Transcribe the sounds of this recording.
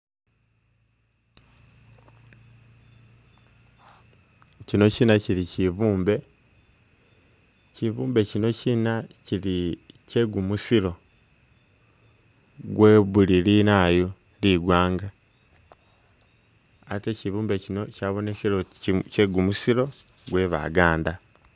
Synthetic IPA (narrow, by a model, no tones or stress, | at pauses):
cino̞cinaciliciβuːmbe̞ | civuːmbe̞cino̞cinacilice̞ɡumusilo̞ | ɡwe̞βulilinajo | liɡwaːŋɡa | teciβuːmbe̞cino̞caːβo̞nekiloceɡumusiɾo̞ | ɡwe̞βa̰ɡaːnda